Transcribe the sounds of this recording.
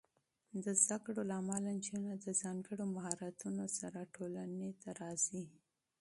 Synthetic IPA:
d̪əzd̪akɽolaːmaland͡ʒunad̪əzɑŋɡəɽomaɦɑɾat̪unosaɾaʈolanet̪aɾɑzi

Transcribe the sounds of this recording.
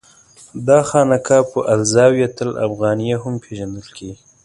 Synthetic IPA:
d̪ɑxɑnakʰɑpəʔalzɑwjat̪əla̰fɣɑnijaɦʊmpʰeʒand̪əlkeɡi

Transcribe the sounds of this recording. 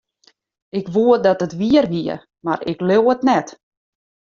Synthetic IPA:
ɪkʋuədɔtətʋiərʋiə̰ | ma̰rɪ̰kløwətnɛt

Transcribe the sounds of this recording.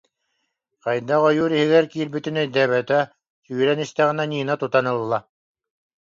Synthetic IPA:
qɑjd̪aʁɔjuːɾiɦiɡɛɾkiːɾbyt̪inɛjd̪ɛːβɛt̪ɛ | syːɾɛnist̪ɛʁinɛniːnat̪ut̪anɯlˠːa

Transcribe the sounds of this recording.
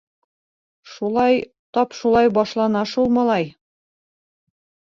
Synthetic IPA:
ʃulˠɑj | t̪ɒpʃulˠɑjbɒʃlˠɑnɑʃulˠmɑlˠɑj

